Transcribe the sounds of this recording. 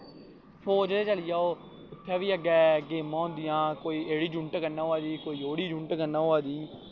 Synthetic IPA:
pʰoːd͡ʒd̪eːt͡ʃəlɪjaːoː | ʊt̪ʰːɛːʋiːəɡɛːɡeːmãːʊ̃nd̪ɪjãːkoːiːeːɽiːd͡ʒʊɳʈkənːãːaːd̪iːkoːiːoːɽiːd͡ʒʊ̃ɳʈkənːãːoaːd̪iː

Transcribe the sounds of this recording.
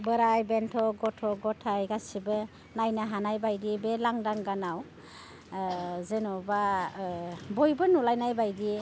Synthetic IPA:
bɯɾajbentʰɔɡɔtʰɔɡɔtʰajɡasibɯ | najnaɦanajbajdibelaŋdaŋɡanaw | zenɔba | bɔjbɯnulajnajbajdi

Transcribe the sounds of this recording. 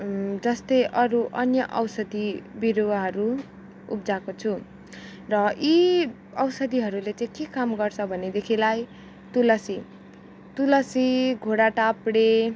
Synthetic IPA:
d͡zʌst̪ʌjʔʌɾuʔʌnjʌʔʌwsʌd̪ibiɾoaɦʌɾuː | p̚d͡zakot͡sʰu | rʌi | ʌwsʌd̪iɦʌɾulet͡sãj̃kekamɡʌrt͡sʰʌbʱʌned̪ekʰilaj | t̪ulʌsi | t̪ulʌsiɡʱoɽaʈapɽe

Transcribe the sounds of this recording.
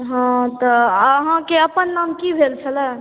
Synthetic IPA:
ɦãt̪ɔɦãkeəpənːamkibʱelt͡ʃʰəlɛ

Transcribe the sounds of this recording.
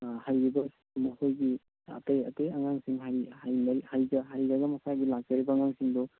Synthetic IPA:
hajɾibɐ | mɐhojɡi | a̰tejɐ̰teaŋaŋsiŋɦajhajnɐhajɡɐɦajɾɐɡɐmɐsaɡilak̚tɐɾibɐːŋaŋsiŋdɔ

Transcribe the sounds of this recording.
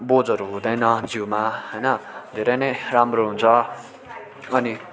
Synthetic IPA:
bod͡zʌɾuɦũd̪ʌjnʌd͡ziwmaɦʌjnʌd̪ʱeɾʌjnʌjramroɦunt͡sʰʌ | ʌni

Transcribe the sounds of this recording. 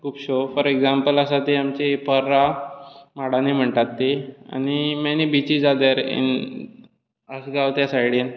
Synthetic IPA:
kʰuːpɕofəɾeɡzãmpəlasat̪eamt͡ɕepʰəɾːa | maɽanim̤əɳʈ̪at̪ːea̰ñimanibit͡ɕiːd͡zad̪əɾḭn | əsɡaʋt̪jasajiɽin

